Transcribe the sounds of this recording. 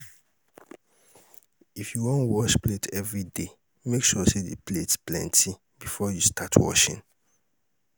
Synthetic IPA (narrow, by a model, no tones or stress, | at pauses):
ifjuwõntwɔʃpletʰɛvɹide | mekʃɔsedḛpletsplɛ̰̃ntʰi | bifɔjustʰatʰwɔ̰ʃḭ̃n